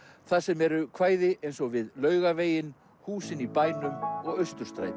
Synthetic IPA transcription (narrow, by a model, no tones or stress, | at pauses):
θaðsɛmɛɾʏkʰvaːjðɪʔejnsɔɣvɪðlœːɥɣaveːjɪn | huːsɪnipaːjnʏmɔɣœɥst̪ʏɾ̥st̪ɾa̰jt̪